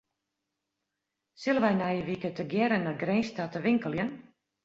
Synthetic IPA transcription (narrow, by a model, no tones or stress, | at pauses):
sɪlˠəʋɛjnɛjəʋikətəɡjɛɾənaɡrenstatəʋɪŋkəlˠjən